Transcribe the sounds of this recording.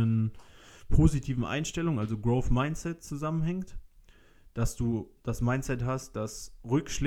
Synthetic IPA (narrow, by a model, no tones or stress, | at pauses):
ən | pʰoːzitʰiːvn̩ʔa̰ɪnʃtɛlʊŋʔalzoɡʁoʊfmaɪnt͡sɛtt͡suzamənhɛŋkt | d̥asd̥uːd̥asmaɪnt͡sɛthast̚d̥asʁʏkʃl